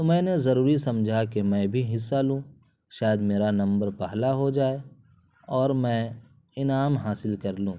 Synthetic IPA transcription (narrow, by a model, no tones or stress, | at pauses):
t̪omɛ̃ːnezɐɾuːɾisɐ̃md͡ʒʱakemɛ̃ːbʱiɦɪsːalũː | ʃaːjəd̪meːɾanɐ̃mbəɾpɛɦlaɦod͡ʒaːe | ɔːɾmɛ̃ː | ɪnaːmɦaːsɪlkɐɾlũː